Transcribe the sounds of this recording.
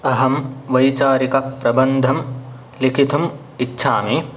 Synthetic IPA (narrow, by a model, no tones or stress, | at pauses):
ɐɦɐmʋɐjt͡ʃaːɾikɐpɾɐbɐnd̪ʱɐm | likʰit̪ʰum | itːʃʰaːmi